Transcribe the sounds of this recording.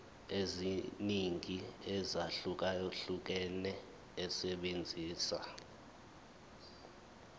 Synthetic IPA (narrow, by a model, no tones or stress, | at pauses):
eziniŋiɛzaɬuk̬ajoɬuk̬ɛnɛ | ɛsɛɓend͡zʱiːsa̰